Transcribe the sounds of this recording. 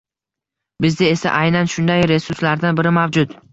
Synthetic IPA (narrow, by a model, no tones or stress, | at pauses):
bɪzd̪ae̞sa̰ʔajnanʃʊnd̪ajɾe̞sʊɾslaɾd̪anbɪɾɪmavd͡ʒʊt̪